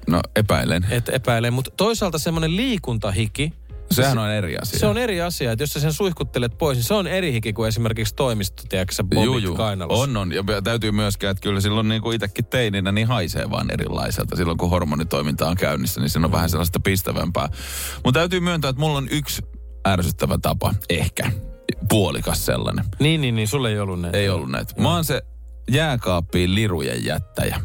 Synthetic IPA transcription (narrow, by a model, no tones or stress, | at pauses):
no̰epæ̰ilḛnet̪ḛpæilemmut̪t̪oisɑːlt̪ɑsemːonelliːkunt̪ɑhiki | sehænonerḭɑ̰siseoneriɑsiɑet̪josːæsensuihkut̪ːelet̪̚poisniseoneɾihikikues̬imerkikst̪oimist̪o̥t̪iækseʋouijːkɑinɑ̰lononjɑmyt̪æyt̪yːmyæskæːet̪kylːæsilːonniːŋkuit̪ekːit̪t̪ːeininæniːhɑisḛːʋɑ̰ːnʔḛɾḭlːɑ̰isḛlt̪ɑsilːoŋkuhormonit̪oimint̪ɑoŋkæynːisːænisiːnːoʋʋæ̰hænselːɑst̪ɑpist̪æʋæ̰mpæ̰ː | mut̪t̪æyt̪yːmyønt̪æːet̪mulːonyks | ærsyt̪ːæʋæt̪ɑpɑ̰ehkæ | puolḭkɑssḛlːɑ̰nḛniːnnːiːnniːsulːeiolːunnæeiolːunnæ̰it̪ʋɑːnse | jæːkɑːpːiːllirujḛjjæ̰t̪ːæ̰jæ̰